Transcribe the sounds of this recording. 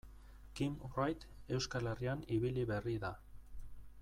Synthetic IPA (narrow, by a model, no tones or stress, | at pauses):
kimrajt̪ | e̞wskalerianiβiliβe̞riða